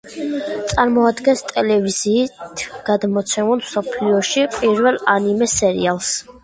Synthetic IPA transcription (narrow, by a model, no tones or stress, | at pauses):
t̪sʼaɾmɔad̪ɡɛnst̪ʼɛlɛviziːt̪ʰɡ̥ad̪mɔt̪sʰɛmulˠmsɔpʰliɔʃipʼiɾvɛlˠanimɛsɛɾḭalˠs